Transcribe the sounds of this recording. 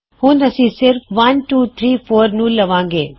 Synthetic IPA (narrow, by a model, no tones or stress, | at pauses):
hũːndɐsĩːsɪɾfʋɐnʈuːt̪ʰɾiːfʰoːɾnũːlɐʋãːŋɡḛː